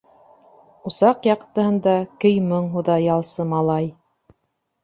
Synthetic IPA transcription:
usɑqjɑqt̪ɤ̆hɤ̆nd̪ɑkɘ̆jmɤɴɦuðɑjɑlˠsɤmɑlˠɑj

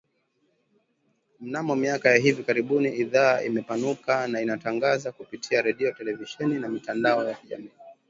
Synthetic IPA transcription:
m̩namɔmiakajaɦivikaɾiɓuniiðaːʔimɛpanukanainataŋɡazakupitʰiaɾɛɗiɔtɛlɛviʃɛninamitandaɔjakiʄa̰miː

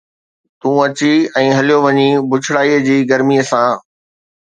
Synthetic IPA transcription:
t̪ũːɐt͡ɕiɛ̃ːɦɐlijoʋɐɲibʊt͡ɕʰɽaːiːəd͡ʑiːɡɐɾmiəsãː

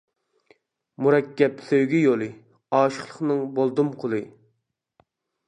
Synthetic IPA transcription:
muɾɛkʲːɛpsøwɡʲijolˠɨ | ɑːʃə̥χlˠəχnɨŋbolˠd̪umqʰolˠɨ

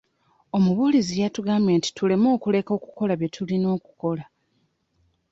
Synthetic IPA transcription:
o̞muβulizijatuɡamenti̥tule̞mo̞ːkule̞ko̞ːku̥ko̞laβje̞tʰulino̞ːku̥ko̞la

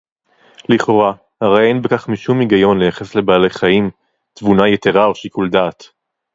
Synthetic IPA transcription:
liχo̞ʁa | haʁejejnbekaχmiʃumiɡajo̞nlejaχe̞sle̞baːle̞jχaim | t̪vunajeteʁao̞ʃikuld̪aːt̪

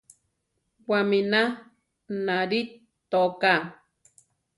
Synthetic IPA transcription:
wamina | naɾi | t̪oka

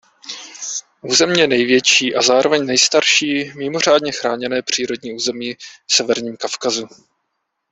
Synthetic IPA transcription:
ʔuːzɛmjɛnɛjvjɛt͡ʃiːʔazaːɾo̞vɛɲnɛjst̪aɾʃiːmɪmo̞r̝aːdɲɛxɾaːɲɛnɛːpr̝̥iːɾo̞dɲiːʔuːzɛmiːfsɛvɛɾɲiːmkafkazu

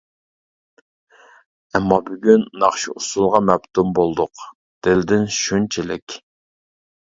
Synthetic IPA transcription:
ɛmːɑbyɡʲynːɑχʃiusulˠʁɑmɛpt̪ʰumbolˠd̪ʊq | d̪̥ɪld̪ɪnʃunt͡ʃʰilɪkʲ

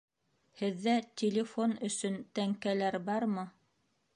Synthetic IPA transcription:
hɘ̆ðːæt̪ʲʰɪlʲɪfo̞nɵ̆sɵnt̪æŋkælæɾbɑɾmɤ

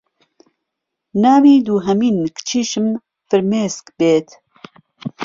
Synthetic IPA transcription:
naːwiːd̪uːɦɐmiːnkt͡ʃʰiːʃɨm | fɨɾmeːskbeːt̪ʰ

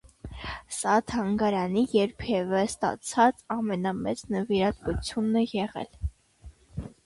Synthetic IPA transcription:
sɑt̪ʰɑŋɡɑɾɑnijɛɾpʰɛvəst̪ɑ̰t͡sʰɑt͡sɑmɛnɑmɛt͡snəviɾɑt̪vut͡sʰjunɛjɛʁɛ̰l

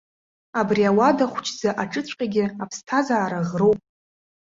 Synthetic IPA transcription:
abriawadaχʷt͡ʃʰd͡zaʔaʈ͡ʂʼɨt͡sʷʼqʲʼaɡʲɪapʰstʰazaːɾaʁrowpʼ

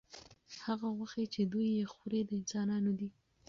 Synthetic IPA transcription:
haɣaɣwaxet͡ʃed̪ujːexuɾed̪əɪnsɑnɑnod̪i

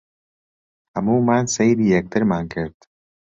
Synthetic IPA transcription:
hɐmuːmaːnsejɾiːjɛk̚t̪ʰɨɾmaːnkʰɪɾd̪̥

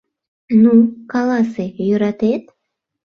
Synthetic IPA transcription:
nukɑlɑsejyɾɑt̪et̪

